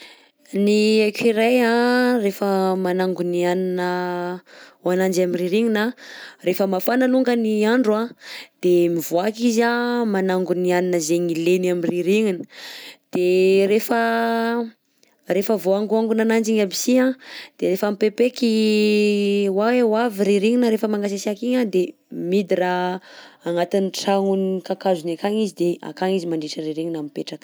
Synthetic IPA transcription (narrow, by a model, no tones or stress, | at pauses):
niekiɾajãrefəmanaŋɡunianinə | anand͡ʒamiriɾiŋinarefəmafanaluŋɡəniaɳɖ͡ʐuad̪̥emivoakizamanaŋɡunianinəzeɲilenamiriɾiŋinə̥d̪̥eɾefə | refəvoaŋɡuaŋɡunanand͡ʒiɲabisiãd̪̥eɾefamipepeki | wawewaviɾiɾiŋinəɾefəmaŋɡasasiakiɲad̪e | mid̪iɾa | aŋat̪iniʈ͡ʂaŋunikakazunakaŋizid̪ea̰kaŋizimaɳɖ͡ʐiʈ͡ʂəɾiɾiŋinamipeʈ͡ʂak